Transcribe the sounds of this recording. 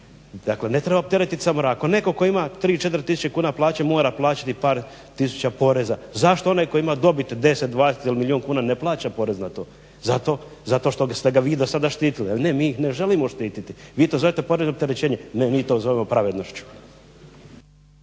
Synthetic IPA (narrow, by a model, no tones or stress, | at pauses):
d̪akle̞ne̞t̪ɾe̞baop̚t̪e̞ɾet̪isamoɾako̞ne̞ko̞ko̞imat̪ɾiːt͡ʃe̞t̪ɾt̪isu̥t͡ɕekuːnaplˠaːt͡ɕemo̞ːɾaplˠaːt͡ɕḁt̪ipaːɾ | t̪isu̥t͡ɕapo̞ɾe̞zazaʃt̪oo̞najko̞jimad̪o̞bit̪d̪e̞set̪̚d̪ʋaːd̪eset̪ilimilʲioŋkuːnaneplˠaːt͡ɕapo̞ɾe̞znat̪o̞ː | zat̪o̞ | zat̪o̞ʃt̪o̞st̪eɡaʋiːd̪osad̪aʃt̪iːt̪ilielne̞miːjixne̞ʒe̞limo̞ʃt̪iːt̪it̪iʋiːt̪ozoʋjet̪epo̞ɾeznop̚t̪eɾet͡ɕeːɲenemiːt̪ozo̞ʋemo̞pɾaʋed̪no̞ʃt͡ɕu̥